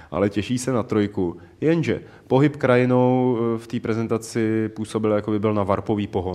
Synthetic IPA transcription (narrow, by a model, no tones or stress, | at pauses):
ʔa̰lɛcɛʃiːsɛnat̪ɾo̞jku | jɛnʒɛ̰ | po̞ɦɪpkɾajɪno̞wft̪iːpɾɛzɛnt̪at͡sɪpuːso̞bɪljakobɪbɪlnavaɾpo̞viːpo̞ɦo